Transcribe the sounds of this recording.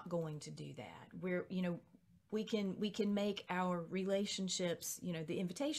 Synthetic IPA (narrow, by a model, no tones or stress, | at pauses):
t̚ɡ̥oʊɪ̃ŋtʰɨdɨ̰ðæ̰t̚wɪɹjɨñoʊ | wikʰɨ̃nwikʰɨ̃nmeɪkʰaʊə˞ɹileɪʃɨ̃nʃɪpsjɨñoʊðiɪ̃ɱvɨtʰeɪʃ